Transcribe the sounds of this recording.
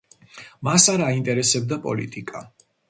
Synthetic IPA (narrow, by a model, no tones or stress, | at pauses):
masaɾaint̪ʼɛɾɛsɛb̚d̪apʼɔ̰lit̪ʼikʼa